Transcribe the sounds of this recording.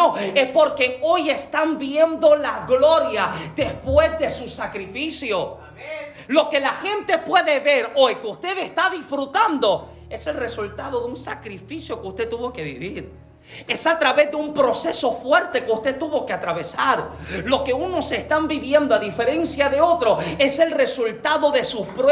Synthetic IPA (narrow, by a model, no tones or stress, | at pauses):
oespo̞ɾke̞o̞je̞st̪ambje̞nd̪o̞laɣlo̞ɾjaðe̞spwe̞zðe̞susakɾifisjo | lo̞ke̞laxe̞nt̪e̞pwe̞ðe̞βe̞ɾojkeust̪e̞ðest̪aðisfɾut̪and̪o̞ | e̞se̞lre̞sult̪aðo̞ðeunsakɾifisjo̞keust̪e̞t̪ːuβo̞ke̞βḭβiɾ | e̞sat̪ɾaβe̞zðeumpɾo̞se̞so̞fweɾt̪e̞keust̪e̞t̪uβo̞keat̪ɾaβe̞saɾlo̞ke̞uno̞se̞st̪ambiβje̞nd̪oaðife̞ɾe̞nsjaðe̞o̞t̪ɾo̞e̞se̞lre̞sult̪aðo̞ðe̞suspɾe